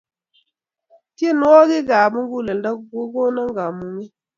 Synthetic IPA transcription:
ti˦e˦˨n˦wɔ˦ɡe˦ɡa˨bu˦ŋ˦ɡu˦˨lə˨n˦da˦ɡo˦ɡo˦na˦ŋɡa˨mu˨ŋi˦

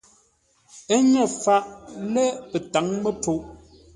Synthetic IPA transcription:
e˦ɲɛ˦˨fa˦ʔlɛ˦pɛ˨ta˨˦ŋmə˦po˨ʔ

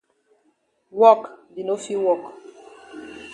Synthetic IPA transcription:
wɔ˦˨kdi˨no˦fi˦wɔ˦˨k

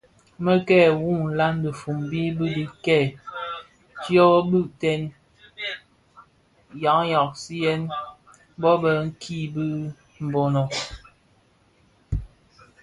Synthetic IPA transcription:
mə˦kɛː˦˨wu˦˨n̩˨la˦ndə˨fu˨mbi˦bi˦di˨kɛ˦˨ | tjɔ˦bʉ˦ʔtɛ˦n | ja˨˦ŋjɔ˨k̚si˦jɛ˦n˦ | bɔ˦bə˨ŋ̩˦kʰi˦bɨ˦ | m̩˨bɔ˨nɔ˨

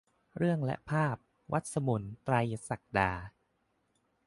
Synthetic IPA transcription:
ɾɯ˥˩əŋlɛ̰˦˥ʔpʰaː˥˩p̚ | wʔa˦˥t̪̚sa˧mu˩˦nt̪ɾa˧jsa˨˩k̚daː˧

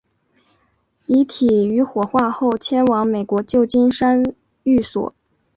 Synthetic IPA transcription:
i˧˥t̪ʰi˨˩y˧˥xwɔ˨˩xwa˥˧xo˥˧ʊt͡ɕʰjɛ˥nwɑ˧˥ŋme˨˩ɪkwɔ˧˥t͡ɕjo˥˧ʊt͡ɕi˥nʂa˥n | y˥˩swɔ̰˨˩˦

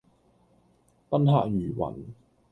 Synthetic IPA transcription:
pɐ˥nhaː˧k̚jyː˨˩wɐ̰˨˩n

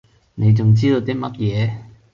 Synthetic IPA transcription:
ne˨˧jt͡sʊ˨ŋt͡siː˥t̪o˧t̪iː˥mɐ˦˥t̚jɛː˨˧

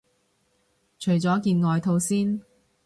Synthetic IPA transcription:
t͡ʃʰɵ˨˩ɥt͡sɔː˨˥kiː˧nŋɔː˨˧jt̪ʰo˧wsiː˥n

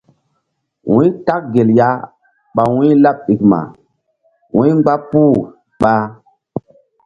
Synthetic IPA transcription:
wũ˦ta˦k̚ɡe˨lja˦ | ɓa˨wũ˦la˦p̚ɓi˨kma̰˨ | wũ˦ɡ͡ba˦pu˦˨ | ɓa˦

